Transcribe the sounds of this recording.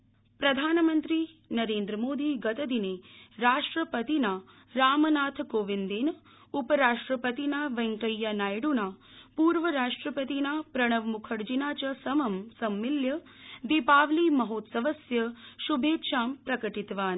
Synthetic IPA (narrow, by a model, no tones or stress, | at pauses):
pɾɐd̪ʱaːnmənt̪ɾi | nɐɾeːnd̪ɾəmoːd̪iːɡɐt̪ɐd̪ineɾaːʂʈɾəpət̪inaː | ɾaːmnaːt̪ʰkoːʋind̪eːn | upəɾaːʂʈɾəpət̪inaːʋɐŋkəjːanaːjɽunaː | puːɾʋəɾaːʂʈɾəpət̪inaːpɾɐɽ̃ɐʋmukʰəɽd͡ʒinaːt͡ʃɐsɐmɐmsɐmːiljə | d̪ipaːʋlimɐɦoːt̪səʋɐsjɐʃubʱeːt̪ʃaːmpɾɐkəʈit̪ʋaːn